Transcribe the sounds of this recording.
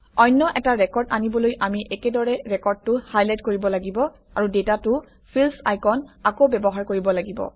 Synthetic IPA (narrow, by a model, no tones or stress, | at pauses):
ɔjnːɔʔɛtaɹɛkɔɹdanibɔlojamiʔɛkɛdɔɹɛɹɛkɔɹd̚tʊhajlajt̚koɹibɔlaɡibɔ | aɹudetatʊ | pʰilsa̰jkɔnakowbɛbɔɦaɹkoɹibɔlaɡibɔ̰